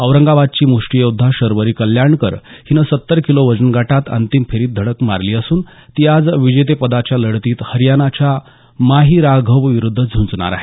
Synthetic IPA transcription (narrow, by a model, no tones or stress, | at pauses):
əʋɾəŋɡaʋad̪̚t͡ɕiːmuʂʈijod̪ʱːaɕəɾʋəɾiːkəljaɳkə̰ɾhinəsət̪ːəɾkiloʋəd͡zənɡaʈat̪ə̰nt̪imfʰeɾiːt̪̚d̪ʱəɽəkma̰ɾliːəsuːn | t̪iad͡zʋid͡ʑejt̪̬epəd̪at͡ɕjaləɽt̪iːt̪həɾjanat͡ɕa | maɦiɾaɡʱəʋʋiɾud̪ʱːəd͡zʱunt͡sɳa̰ɾa̰ɦe